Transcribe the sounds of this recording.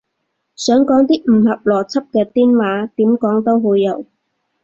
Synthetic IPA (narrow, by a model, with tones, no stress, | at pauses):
sœː˨˥ŋkɔː˨˥ŋt̪iː˥m̩˨˩hɐ˨p̚lɔː˨˩t͡sʰɐ˥p̚kɛː˧t̪iː˥nwaː˨˥t̪iː˨˥mkɔː˨˥ŋt̪o˥wɦoː˨˧˥jɐ˨˥w